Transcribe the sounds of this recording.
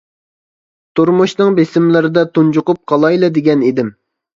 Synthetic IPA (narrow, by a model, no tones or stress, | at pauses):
t̪ʰuɾmuʃnɨŋbesɪmlɪɾɪd̪ɑt̪ʰund͡ʒʊqʊp̚qʰɑlˠɑjlˠɛd̪ɪɡʲɛnid̪ɪm